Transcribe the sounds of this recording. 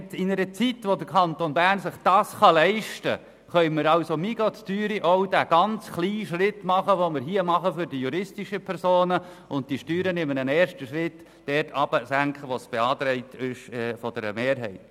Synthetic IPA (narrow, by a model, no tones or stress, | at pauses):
tɪnəɾət͡sitʋodəɾkʰɑnt̪onbæːɾnsɪχd̥ɑːsχɑlɛɪʃtə̰ | χœʏməɾɑʊsomiɡot͡styːɾiʔoʊd̥æːɡ̥ɑnt͡sχliːʃɾɪtmɑχəʋomɪɾɦiːəmɑχəfʏɾdijuɾɪstiʃəpʰɛɾsoːnə | ʊntd̥iʃtyːɾənɪmːənənɛːɾʃtəʃɾɪt | d̥ɛtʰɑb̥əsæŋkχəʋosb̥eɑːt̪ɾɛɪtɪʃɛfɔd̥ɛɾə̰meːɾɦɛ̰ɪt